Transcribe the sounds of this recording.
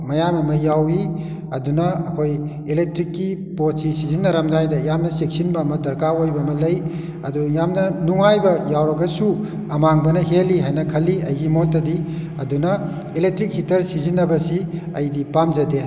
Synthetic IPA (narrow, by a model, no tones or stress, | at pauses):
mɐjamɐmɐjawi | ɐdunɐɐkʰoj | elek̚tɾikːipot̚sisizinːɐɾɐmdajdɐjamnɐsek̚sinbɐːmɐdɐɾkaojbɐːmɐlɐj | ɐ̰dujamnɐnuŋajbɐjawɾɐɡɐsu | ɐmaŋbɐnɐɦeliɦajnɐkʰɐlːiɐjɡimotːɐdi | ɐdunɐ | elek̚tɾik̚hitɐɾsizinːɐbɐsi | ɐ̰jdipamzɐde